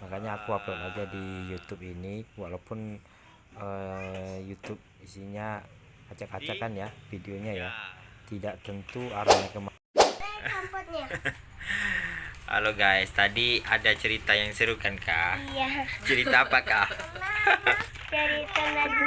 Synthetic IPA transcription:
makaɲaːkuapalad͡ʒadijut̪ubiniwalawpʊn | ə | jut̪ʊp̚isiɲa | kat͡ʃakːat͡ʃakanjafideoɲajat̪idaʔt̪ənt̪uaɾaɲakəma | ampɔt̪ɲa | a̰loɡajst̪adiadat͡ʃəɾit̪ajaŋsəɾukankajat͡ʃəɾit̪aːpakah | daɾit̪aa

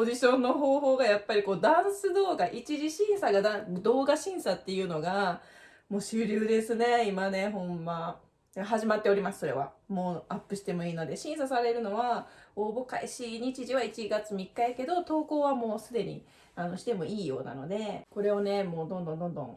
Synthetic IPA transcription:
po̞ʑiɕõ̞nːo̞ɦo̞ːɦo̞ːɡajapːaɾʲiko̞d̪ãɰ̃sɨd̪o̞ːɡaʔit͡ɕiʑiɕĩɰ̃saɡad̪ad̪o̞ːɡaɕĩɰ̃sat̪ːe̞jɯ̟ːno̞ɡa | mo̞ːɕɨːɾʲɨːd̪e̞sɨne̞imane̞ɦõ̞mːa | ɦaʑimat̪ːe̞o̞ɾʲimasɨ̥so̞ɾe̞̰βa̰mo̞ːapːɯ̟ɕi̥t̪e̞mo̞iːno̞d̪e̞ɕĩɰ̃sasaɾe̞ɾɯ̟no̞βao̞ːbo̞ka̰iɕiɲ̟it͡ɕiʑiβait͡ɕiɡat͡sɨmʲikːaeke̞d̪o̞t̪o̞ːko̞ːβamo̞ːsɨd̪e̞ɲ̟ḭ | ano̞ɕi̥t̪e̞mo̞iːjo̞̰ːna̰no̞̰d̪e̞ko̞ɾe̞o̞ne̞mo̞ːd̪õ̞nd̪ond̪õ̞nd̪õ̞̰ŋ

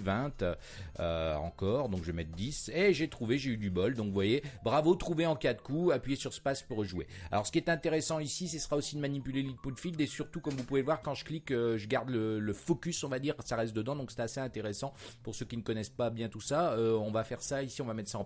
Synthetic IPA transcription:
vɛ̃t̪ | ø̰ɑ̰̃kɔʁd̪ɔ̃kʒəmɛt̪̚d̪iseʒet̪χuveʒeyd̪ybɔld̪ɔ̃kvwajebʁavot̪χuveɑ̃kad̪əkuapɥijesyʁsə̥paspuʁəʒuḛa̰lɔʁsə̥kʲiɛt̪ɛ̃t̪eʁesɑ̃isisɛsəʁaosid̪əmanipylelit̪̚pud̪fild̪esyʁt̪ukɔmvupuvelvwaʁkɑ̃ʒəklikøʒəɡaʁd̪lələfɔkʲysɔ̃vad̪iʁsaʁɛst̪̚d̪əd̪ɑ̃d̪ɔ̃ksɛ̥t̪aseɛ̃t̪eʁesɑ̃puʁsøkʲinəkɔnɛspabjɛ̃t̪usaøɔ̃vafɛʁsaisiɔ̃vamɛt̪χsaɑ̃

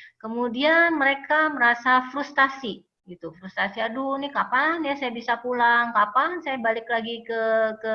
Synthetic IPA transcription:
kəmudianməɾekaməɾasafɾust̪asi | ɡit̪ufɾust̪asiadunikapaŋjasajabisakulaŋkapaŋsajabalɪklaɡikəkə

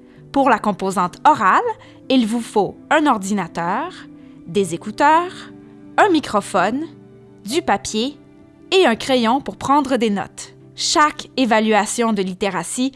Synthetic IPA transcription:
puʁlakɔ̃pozɑ̃t̪ɔʁal | ilvufoɛ̃nɔʁd̪inat̪œːʁ | d̪ezekut̪œːʁ | ɛ̃mikχɔfɔn | d̪ypapjeː | ɛ̃kχejɔ̃puʁpχɑ̃d̪ʁəd̪enɔ̰t̪ | ʃakevalyasjɔ̃d̪əlit̪eʁasi

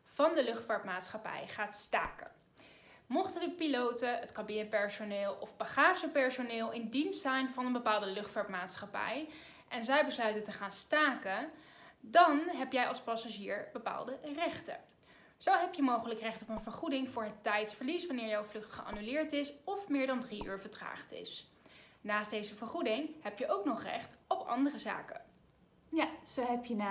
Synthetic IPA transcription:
v̥ɑndəlɵχtfɑɹtmaːtsχɑpɛ̰jχaːtsta̰ːkə̰ | mɔχtədəpilowtəətkabinəpɛɹsonɪːlˠɔvbaχaːʒəpɛɹsonɪːlˠɪndinstsɛjnvɑnənbəpaːlˠdəlɵχtfaɹtmaːtsχɑpɛ̰j | ʔɛnzɛjbəslœɥtətəχaːnstaːkə | dɑnɦɛpjɛjɑ̰lˠspɑsaʒiːɹbəpa̰ːlˠdərɛχtə̰ | z̥owɦɛpjəmowχələkrɛχtɔpənvəɹχudɪŋvʊːɹɦətɛjtsfəɹlisʋɑnɪːɹjawvlɵχtχəʔa̰ːnylɪːɹtɪsɔfmɪːɹdɑndriy̰ːɹvəɹtra̰ːχtɪ̰s | naːst̚dejzəvəɹχudɪŋhɛpjəʔowknɔχrɛ̰χtɔpɑ̰ndərəza̰ːkə̰ | jaz̥oɛpjənː

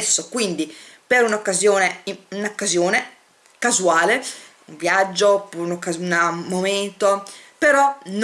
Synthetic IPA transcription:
sːokwind̪ipeɾunokːazjoːneunokːazjoːne | kazuaːle | uɱvjad͡ʒːopeɾunokːaunamːoment̪opeɾɔn

